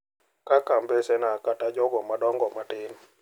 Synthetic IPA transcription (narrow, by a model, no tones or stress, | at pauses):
kakambesenakatad͡ʒɔɡɔmadɔŋɡɔmatɪn